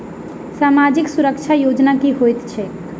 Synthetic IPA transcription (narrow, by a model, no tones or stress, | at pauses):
saːmad͡ʒɪksʊɾəkʃʰajoːd͡ʒnakiɦojt̪t͡ʃʰe